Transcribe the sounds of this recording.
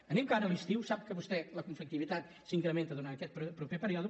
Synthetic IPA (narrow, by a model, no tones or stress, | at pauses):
ɐnĩmkanɐliʃt̪iwsaβkɨβust̪ɛlɐkũɱflˠik̚t̪iβit̪at̪ | sĩŋkɾɐmẽnt̪ɐðunaɾɐkɛt̪pɾpɾupepɐɾiɔðu